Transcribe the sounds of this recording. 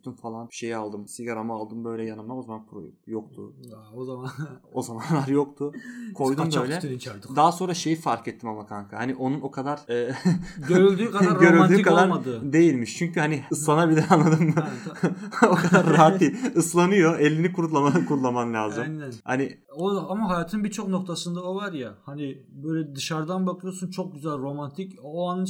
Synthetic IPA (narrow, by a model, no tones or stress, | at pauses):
t̪ʰumfalˠanbiʃe̞jialˠd̪ɯmsiɡaɾamaːlˠd̪ɯmbø̞jlʲɛjanɯmˠao̞zamanpʰɾṵjok̚t̪ʰʊ̰ | o̞zamanlˠaɾjokt̪ʰʊkʰo̞jd̪møjlʲɛd̪aːaso̞nɾaʃe̞jifaɾkɛt̪ʰːimamakʰaŋkʰahaniʔo̞nuno̞kʰad̪aɾːøɾylʲd̪yːkaɟø̞ɾyld̪yːkʰad̪aɾd̪ɯd̪e̞jilʲmiʃt͡ʃʰyɲcyhaniɯslˠanabilʲɛanlˠad̪ɯmd̪a | okʰad̪aɾːaat̪ʰiːɯslˠanɯjo̞ɛlʲːinikʰuɾlˠamakʰuɾlˠamamlʲaːzɯmnha̰ni | oamaɦajaːt̪ʰɯnbit͡ʃʰo̞knok̚t̪ʰasɯnd̪aovaɾjahanɪbøjlʲɛd̪ɯʃaɾd̪anbakʰlˠɯjosunt͡ʃʰok̚ɟyzælʲɾo̞mant̪ʰicoanɯ